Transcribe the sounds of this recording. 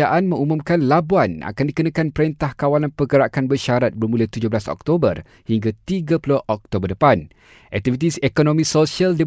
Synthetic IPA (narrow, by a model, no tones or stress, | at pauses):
aʔanmə̃ŋumũmkanlabuana̰kandikənãkanpəɾint̪ahkawalanpəɡəɾakanbəʃaɾat̪̚bərmulət̪ud͡ʒoblasɔ̰k̚t̪obər | hiŋɡat̪iɡapulohʔɔk̚t̪obərdəpan | ʔɛ̰k̚t̪ifit̪̬isekonõmĩsosialdə